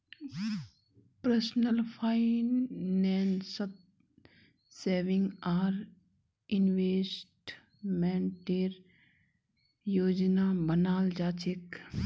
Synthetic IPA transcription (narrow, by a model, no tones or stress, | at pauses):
pɾəsnəlpʰaːinːɛːnsət̪ | seːʋɪ̃ŋɡaːɾ | ɪnʋeːsʈ | mɛ̃ːnʈeːɾ | joːd͡ʒnaːbənaːld͡ʒaːt͡ʃik